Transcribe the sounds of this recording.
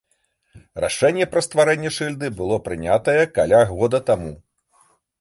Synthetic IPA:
ra̰ʂɛnʲːɛpɾɐst̪vaɾɛnʲːɛʂɨlʲd̪ɨbɨlˠɔpɾɨnʲat̪ɐjɛkalʲaɣɔd̪ɐt̪amu

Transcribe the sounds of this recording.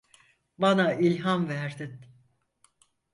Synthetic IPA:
banailʲɦamvæɾd̪in

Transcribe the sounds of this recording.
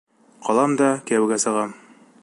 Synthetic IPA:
qʰɒlˠɑmd̪ɑkæwɘɡæsɤ̆ʁɑm

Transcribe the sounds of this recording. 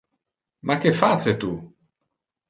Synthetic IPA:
makefaset̪u

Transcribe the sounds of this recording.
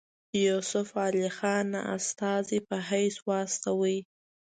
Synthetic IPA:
jusʊfɑlixɑna̰a̰st̪ɑzipəɦajswɑst̪awəj

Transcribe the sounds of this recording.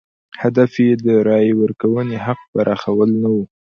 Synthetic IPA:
had̪afjed̪əɾɑjwəɾkawəneɦaq̚baɾʔɑxawəlnawu

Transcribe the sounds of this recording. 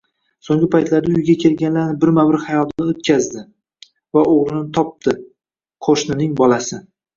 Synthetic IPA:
soŋɡʲɪpʰajt̪laɾd̪aʊjɡʲakʲʰe̞lɡʲanlaɾnɪbɪɾmawɪɾhajɒt̪ɪnɪot̪̚kʲʰazd̪ɪ | vaʔoʁɾɪnɪt̪ʰɒp̚t̪ʰɪ | qʰoʃnɪnɪŋbɒlasɪ

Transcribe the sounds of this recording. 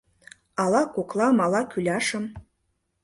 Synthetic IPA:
ɑlɑkoklˠɑmɑlɑkylʲɑʃə̆m

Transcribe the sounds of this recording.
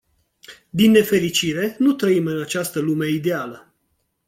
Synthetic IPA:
d̪inːe̞fe̞ɾit͡ʃiɾe̞nut̪ɾəimɨnat͡ʃast̪əlume̞id̪ealə

